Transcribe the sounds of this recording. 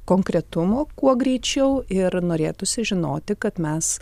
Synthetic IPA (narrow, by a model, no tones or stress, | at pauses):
koːŋkɾʲɛt̪ʊmoːkuɔɡɾʲɛɪt͡ʃʲɛʊɪɾnoːɾʲeːt̪ʊsʲɪʒʲɪnoːt̪ʲɪkɐt̪mʲɛs